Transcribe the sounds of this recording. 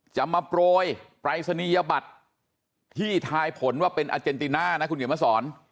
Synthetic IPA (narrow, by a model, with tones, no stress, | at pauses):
t͡ɕa˨˧mːa˧pɾoː˧jpɾa˧jsa˧niː˧ja˧ba˨˩t̪̚ʰː | iː˥˩t̪ʰaː˧jpʰo˩˦nwaː˥˩pe˧nʔa̰˧t͡ɕe˧nt̪i˧naː˥˩na˦˥kʰu˧nkeː˨˩˦ma˦˥sɔː˩˦n